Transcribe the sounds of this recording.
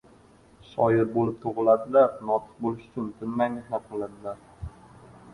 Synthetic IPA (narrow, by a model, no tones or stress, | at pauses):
ʃɒjɪɾbolɪp̚t̪ʰoʁɨlad̪ɪlaɾnɒt̪ʰɨ̥q̚bolɪʃʊ̥t͡ʃʰʊnt̪ʰɪnmajnɪslap̚qɨlad̪ɪlaɾ